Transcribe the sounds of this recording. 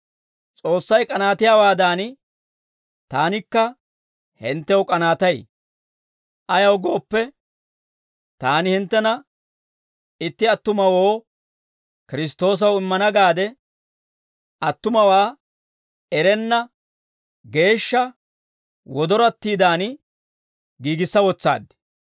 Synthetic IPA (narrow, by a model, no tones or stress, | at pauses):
t͡sʼo̞ːsːɐjkʼɐnaːt̪ɪjaːwaːd̪aːn | t̪aːnɪkːɐ | hɪnt̪ːɛwʊkʼɐnaːt̪ɐj | ɐjɐwɡo̞ːpːɛ | t̪aːnɪhɪnt̪ːɛnɐ | ɪt̪ːɪɐt̪ːʊmɐwo̞ː | kɪɾɪst̪o̞ːs̬ɐwɪmːɐnɐɡaːd̪ɛ | ɐt̪ːʊmɐwaː | ɛɾɛnːɐ | ɡe̞ːʃːɐ | wɔd̪ɔɾɐt̪ːiːd̪aːn | ɡiːɡɪsːɐwɔt͡sːa̰ːd̪ːɛ̥